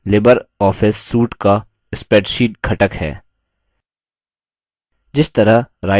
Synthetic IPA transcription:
lɪbəɾɔːfʰɪsːuːʈka | ɪspeːʈʃiːʈkʰɐʈəkhɛ̰ː | d͡ʒɪst̪ɐɾəɾaː

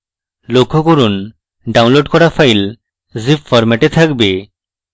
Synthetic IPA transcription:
lokʰːokoɾun | ɖawnloɖkɔɾafajl | zipfɔɾmɛʈet̪ʰakbe

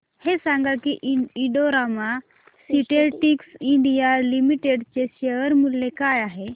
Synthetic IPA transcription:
hesãŋɡakiiɖoɾama | siʈeʈiksiɳɖijalimiʈeɖt͡ɕeɕeəɾmulːekajaɦe

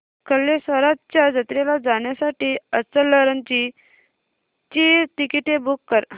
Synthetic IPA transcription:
kəlːesʋəɾat̪t͡ɕjad͡zət̪ɾelad͡zaɳjasaʈiːət͡səlːəɾənt͡ɕi | t͡ɕit̪ikiʈebukːəɾ

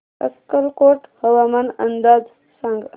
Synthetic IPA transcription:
ə̰skəlkoʈhəʋamanə̰nd̪aːd͡z | sə̃ŋɡ

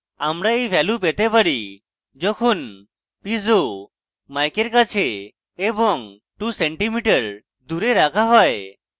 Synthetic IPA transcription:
amɾaejbʱɛlupet̪epəɽi | d͡ʒɔkʰun | pizo | majkeɾkat͡ʃʰeː | bɔŋ | ʈuseɳʈimiʈəɾ | d̪uɾeɾakʰaɦɔe

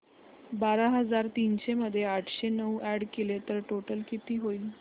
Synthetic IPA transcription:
baɾaɦəd͡zaɾt̪iːnɕeməd̪ʱːjeaʈʰɕenəuʔæɽkelet̪əɾʈoʈəlkit̪iːɦoi

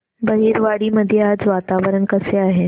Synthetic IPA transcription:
bəɦiːɾʋaɽiːməd̪ʱjeaːd͡zʋat̪aʋəɾəɳkəseaːɦe

